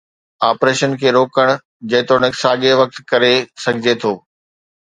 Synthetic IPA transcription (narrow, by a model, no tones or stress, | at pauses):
aːpɾeːʃənkʰeːɾoːkəɽ̃ʊ | d͡ʑɐ̃ːt̪oñəksaːɠeʋɐk̚t̪kɐɾesɐɡʱɪd͡ʑet̪ʰoː